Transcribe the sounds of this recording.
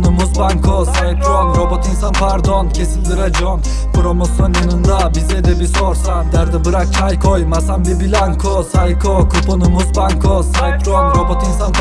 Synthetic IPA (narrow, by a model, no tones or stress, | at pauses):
numusbaŋkʰosaip̪ɾoonɾobot̪ʰinsanpʰaɾd̪oncʲʰesilʲd̪iɾad͡ʒon | puɾomosonjɯnɯnd̪abizɛd̪ɛbisoɾsad̪æɾd̪ɛbɯɾak̚t͡ʃʰajkʰojmasanbibilʲaŋkʰosajkʰokʰuponumuzbaŋkʰosaip̪ɾoonɾobot̪ʰinsan